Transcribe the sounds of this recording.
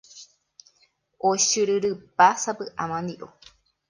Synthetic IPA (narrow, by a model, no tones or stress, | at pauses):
oʃɨɾɨɾɨpasapɨʔãmãnd̪iʔo̰